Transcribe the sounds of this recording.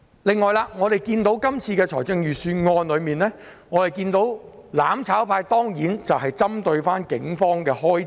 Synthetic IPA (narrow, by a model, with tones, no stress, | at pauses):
lɪ˨ŋːɔː˨˩jlaː˧ŋɔː˨˧ɾe˨˩jkiː˧nt̪o˨˥wkɐ˥mt͡sʰiː˧kɛː˧t͡ʃʰɔː˨˩t͡sɪ˧ŋjyː˨˩syː˧ŋɔː˧nlɵ˨˧ɥmiː˨˩nlɛː˥ŋɔː˨˧t̪e˨˩jkiː˧nt̪o˨˥wlaː˨˥mt͡sʰaː˨˥wpʰaː˧jt̪ɔː˥ŋjiː˨˥nt͡sɐ˨wɦɐ˨jt͡sɐ˥mt̪ɵ˧ɥfaː˥nkɪ̰˨˥ŋfɔː˥ŋkɛː˧ɦɔː˥j